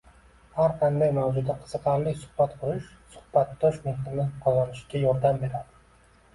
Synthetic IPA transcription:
haɾqʰɑnd̪ajmawzʊd̪aqʰɨ̥z̥ɨqʰɑɾlɪkʲsʊ̥hbat̪qʰʊɾɪʃ | sʊ̥hb̥at̪ːɒʃmehlɪnɪqʰɒzɒnɪʃɡʲajɒɾd̪ambe̞ɾad̪ɪ

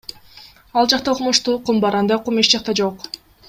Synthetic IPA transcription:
ɑlˠd͡ʒɑqt̪ɑoqmoʃt̪uːqumbɑɾɑnd̪ɑjqumeʃd͡ʒɑq̚t̪ɑd͡ʒoq

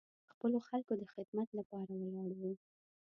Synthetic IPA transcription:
xpəloxalkod̪əxɪd̪mat̪lapɑɾawəlɑɽawi

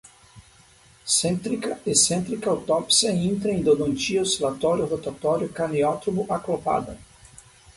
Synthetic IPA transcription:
sẽnt̪ɾikɐesẽnt̪ɾikɐwt̪ɔpsiɐĩnt̪ɾɐẽd̪od̪õnt͡ʃioselat̪ɔɾjʊʁot̪at̪ɔɾjʊkaniɔt̪ɾobʊʔaklopa̰d̪ɐ̰

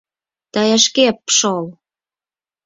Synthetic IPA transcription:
t̪ɑjɑʃkepʃol

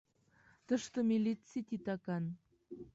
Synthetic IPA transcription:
t̪əʃt̪ə̆mʲilʲit͡sit̪ʲit̪ɑkɑn

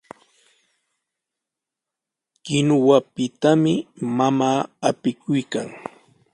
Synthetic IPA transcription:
kɪnʊwapɪt̪amɪmamaːapɪkʊjkaŋ

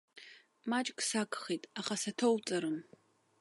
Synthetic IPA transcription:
maːt͡ʃʼkʼsaːkʰʼχejtʼaχasɐtʰowt͡sʼɐɾɨm

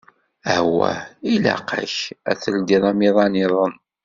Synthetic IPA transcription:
æhwæ̰ilæ̰qə̰çæ̰θəld̪iðˤɑmiðˤɑniðˤən

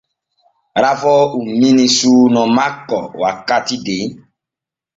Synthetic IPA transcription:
ɾafɔumĩnĩsunɔ̃makɔ̰wakatide

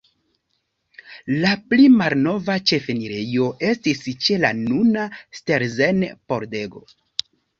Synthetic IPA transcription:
laplimalno̞vat͡ʃe̞feniɾe̞jo̞ʔe̞stist͡ʃe̞la̰nunaste̞ɾzenpo̞ɾde̞ɡo̞̰

